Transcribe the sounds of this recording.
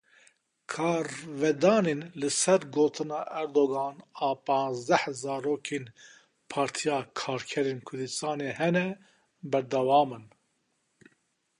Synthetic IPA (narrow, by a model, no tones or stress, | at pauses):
kʰɑːɾvɛd̪ɑːneːnlɨsɛɾɡoːt̪ʰɨnɑːʔɛɾd̪oɡɑːnɑːpɑ̃ːnzd̪ɛhzɑːɾoːkʰeːn | pʰɑːɾt̪ʰijɑːkʰɑːɾkʰɛɾeːnkʰʊɾd̪ɨst̪ɑːneːhɛnɛ | bɛɾd̪ɛwɑːmɨn